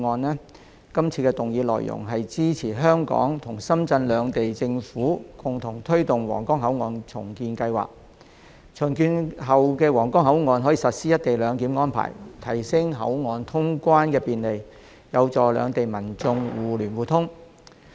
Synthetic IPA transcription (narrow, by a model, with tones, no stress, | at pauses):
ŋɔː˧nlɛː˥ | kɐ˥mt͡sʰiː˧kɛː˧t̪ʊ˨ŋjiː˨˧lɔ̰ː˨jʔʊ̰˨˩ŋɦɐ˨jt͡siː˥t͡sʰiː˨˩ɦœː˥ŋkɔ̰ː˨˥ŋt̪ʰʊ˨˩ŋsɐ˥mt͡sɐ˧nlœː˨˧ŋt̪e˨jt͡sɪ˧ŋfuː˨˥kʊ˨ŋt̪ʰʊ˨˩ŋt̪ʰɵ˥ɥt̪ʊ˨ŋwɔ̰ː˨˩ŋkɔː˥ŋɦɐ˨˥wŋɔː˨˧nt͡sʰʊ̰˨˩ŋkiː˧nkɐ˧jwa̰ː˨k̚ | t͡ʃʰʊ˨˩ŋkyː˧nɦɐ˨˩wkɛː˧wɔː˨˩ŋkɔː˥ŋɦɐ˨˥wŋɔː˨˧nɦɔ˨˥jiː˨sɐ˨t̚siː˥jɐ˥t̚t̪e˨jlœː˨˧ŋkiː˨˥mŋɔː˥npʰa̰ː˨˩jt̪ʰɐ˨˩jsɪ˥ŋɦɐ̰˨˥wŋɔː˨˧nt̪ʰʊ˥ŋkʷaː˥nkɛː˧piː˨nle˨˩j | jɐ˨˧wt͡sɔː˨lœ̰ː˨˧ŋt̪e˨jmɐ˨˩nt͡sʊ˧ŋwuː˨lyː˨˩nwuː˨˩t̪ʰʊ˥ŋ